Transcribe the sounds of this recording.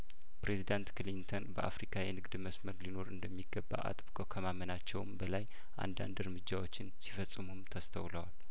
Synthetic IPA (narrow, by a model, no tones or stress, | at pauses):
pɾe̞zid̪ant̪klint̪ʰonbəʔa̰fɾikʰajɛnɨɡd̪məsməɾlino̞ɾɨnd̪əmːiɡːəbːa̰ʔa̰t̪ʼɨβkʼokʰəmamənat͡ʃːɛwmbəlaj | ʔa̰nd̪a̰nd̪ɨɾmɨd͡ʒːawo̞t͡ʃːɪnsi̥fəsʼːɨmumt̪ʰəst̪ʰə̰wləwal